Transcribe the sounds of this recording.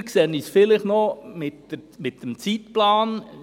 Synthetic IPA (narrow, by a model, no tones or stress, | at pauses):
kseːnisfɪlɪχnɔmɪtəmɪt̪əmt͡sitplaːn